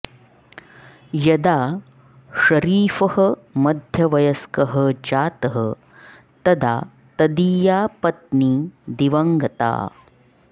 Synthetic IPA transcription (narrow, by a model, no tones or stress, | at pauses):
jɐd̪aː | ʃɐɾiːfɐhɐmɐd̪ʱjɐʋɐjɐskɐɦɐd͡ʒaːt̪ɐɦɐ | t̪ɐd̪a̰ː | t̪ɐd̪iːjaːpɐt̪̚niːd̪iʋɐŋɡɐt̪a̰ː